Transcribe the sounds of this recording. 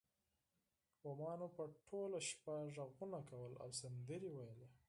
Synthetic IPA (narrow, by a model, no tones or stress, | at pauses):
wamɑnopəʈʰolaʃpaʐaɣunakawəla̰wsand̪əɾiwajəle